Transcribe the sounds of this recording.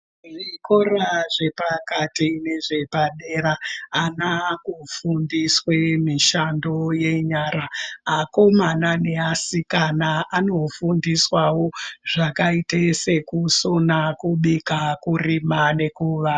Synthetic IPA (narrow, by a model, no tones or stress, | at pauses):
ʐikoraʐe̞pakatine̞ʐe̞paɗe̞ɾaːnakufundiswemiʃando̞je̞ɲaɾaako̞manane̞asikanaano̞fundiswawo̞ʐ̥akaitese̞kusonakuɓikakurimane̞kuːʋa